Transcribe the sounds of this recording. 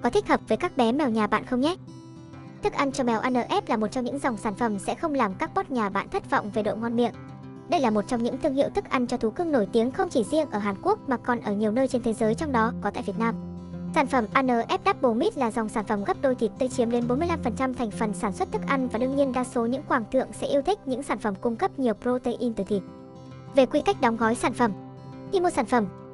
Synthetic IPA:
kɔ˨˦t̪ʰï˦˥k̚həː˨˩p̚vəː˨˦jkaː˦˥k̚ɓɛ˨˦mɛ˨˩wɲaː˨˩ɓa̰ː˧˨nxə˧wŋ͡mɲɛ˦˥t̚ | t̪ʰɨ˦˥k̚ʔa˧jnt͡ɕɔ˧ɓɛ˨˩wʔaː˧nəː˨˩ʔɛ˦˥p̚laː˨˩mo˨˩t̚t͡ɕɔ˧ŋ͡mɲɨ̰˧˥ŋza˨˩wŋ͡msaː˧˩nfə˧˩msɛ̰˧˥xə˧wŋ͡mlaː˨˩mkaː˦˥k̚ɓɔ˦˥t̚ɲaː˨˩ɓa̰ː˧˨nt̪ʰə˦˥t̚vɔ̰˧˨wŋ͡mve˨˩ɗo̰˧˨ŋɔ˧nɓḭ˧˨ən | ɗə˧jlaː˨˩mo˨˩t̚t͡ɕɔ˧wŋ͡mɲɨ̰˧˥ŋt̪ɨ˧əŋhḭ˧˨əwt̪ʰɨ˦˥k̚ʔa˧jn̟t͡ɕɔ˧t̪ʰu˨˦kɨ˧əŋno˧˩jt̪i˨˦əŋxə˧wŋ͡mt͡ɕi˧˩zḭ˧ənʔəː˧˩ɦaː˨˩nku˦˥ək̚maː˨˩kɔ˨˩nʔəː˧˩ɲi˨˩əwnəː˧jt͡ɕe˧nt̪ʰe˨˦zəː˨˦jt͡ɕɔ˧wŋ͡mɗɔ˨˦kɔ˨˦t̪a̰ː˧˨vi˨˩t̚naː˧msaː˧˩nfə˧˩mʔaː˧nəː˨˩ʔɛ˦˥p̚ɗaː˦˥p̚ɓo˨˩mi˦˥t̚laː˨˩zɔ˨˩wŋ͡msaː˧˩nfə˧˩mɣə˦˥p̚ɗo˧jt̪ʰi˨˩t̚t̪əː˧t͡ɕi˨˦əmɗe˨˦nɓo˨˦nmɨ˧əjla˧mfə˨˩nt͡ɕa˧mt̪ʰɛ˨˩jŋ̟fə˨˩nsaː˧˩nswə˦˥t̚t̪ʰɨ˦˥k̚ʔa˧jŋ̟vaː˨˩ɗɨ˧əŋɲi˧ənɗaː˧so˨˦ɲɨ̰˧˥ŋkwaː˨˩ŋt̪ɨ̰˧˨əŋsɛ̰˧˥ʔi˧əwt̪ʰï˦˥k̟̚ɲɨ̰˧˥ŋsaː˧˩nfə˧˩mkʊ˧ŋ͡mkə˦˥p̚ɲi˨˩əwpɾo˧t̪e˧jʔi˧nt̪ɨ˧˩t̪i˨˩ət̚ | ve˨˩kwi˧ka˦˥jk̟̚ɗaɔ˨˦wŋ͡mɣɔ˨˦jsaː˧˩nfə˧˩m | ʔi˧mo˧saː˧˩nfə˧˩m

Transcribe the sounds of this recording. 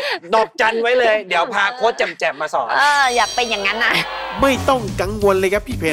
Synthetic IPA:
dɔː˨˩k̚t͡ɕa˧nwa˦˥jlɤː˧jdi˩˦əwpʰaː˧kʰoː˦˥t̪̚t͡ɕɛ˨˩mt͡ɕɛ˨˩p̚maː˧sɔː˨˩˦nʔɤː˧jaː˨˩k̚pe˧njaː˨˩ŋːa˦˥nːa˧˩ma˥˩jt̪ɔ˥˩ŋka˧ŋwo˧nlɤː˧jkʰa˦˥pʰːiː˥˩pʰe˧

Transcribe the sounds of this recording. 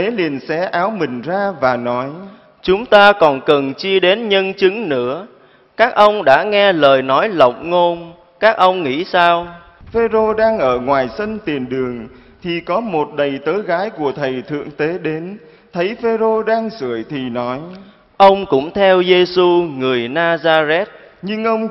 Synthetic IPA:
t̪e˨˦li˨˩ənsɛ̰˧˥ʔaː˨˦wmï˨˩ŋ̟zaː˧vaː˨˩nɔ˨˦j | t͡ɕʊ˨˦ŋ͡mt̪aː˧kɔ˨˩nkə˨˩nt͡ɕi˧əɗe˨˦nɲə˧nt͡ɕɨ˨˦ŋnɨ̰˧˥ə | kaː˦˥k̚ʔə˧wŋ͡mɗa̰ː˧˥ŋɛ˧ləː˨˩jnɔ˨˦jlə̰˨wk͡p̚ŋo˧n | kaː˦˥k̚ʔə˧wŋ͡mŋḭ˧˥saː˧w | fe˧zo˧ɗaː˧ŋʔəː˧˩ŋwaː˨˩jsə˧nt̪i˨˩ənɗɨ˨˩əŋ | t̪ʰi˨˩kɔ˨˦mo˨˩t̚ɗə˨˩jt̪əː˨˦jɣaː˨˦jku˧˩ət̪ʰə˨˩jt̪ʰɨ̰˧˨əŋt̪e˨˦ɗe˨˦n | t̪ʰə˨˦jfe˧zo˧ɗaː˧ŋsɨ˧˩˨əjt̪ʰi˨˩nɔ˨˦j | ʔə˧wŋ͡mkʊ̰˧˥ŋ͡mt̪ʰɛ˧wze˧su˧ŋɨ˨˩əjnaː˧zaː˧zɛ˦˥t̚ | ɲɨ˧ŋʔə˧wŋ͡m

